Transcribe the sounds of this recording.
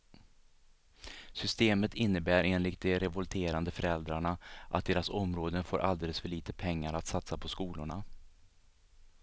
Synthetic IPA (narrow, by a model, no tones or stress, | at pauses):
sʏst̪eːmət̪ʰɪnːəbæːɾeːnlɪkt̪̚d̪ɛɾɛvɔlt̪ʰeːɾand̪əfœɾɛld̪ɾaɳaʔa̰t̪̚d̪eːɾasɔmɾoːd̪ənfoːɾʔa̰ld̪eːləsfœɭiːt̪əpʰɛŋːaɾat̪sat̪sapʰɔskuːlʊɳa